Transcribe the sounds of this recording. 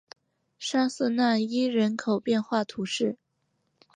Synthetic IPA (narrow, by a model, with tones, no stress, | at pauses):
ʂa˥s̩˥˧na˥˩i˥ɻə˧˥nkʰo˨˩ʊpjɛ˥˧nxwa˥˩t̪ʰu˧˥ʂɻ̩˥˩